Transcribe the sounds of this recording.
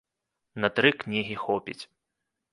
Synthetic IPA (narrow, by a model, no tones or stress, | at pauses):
nɐt̪ɾɨknʲiɦʲixɔpʲḭt͡sʲ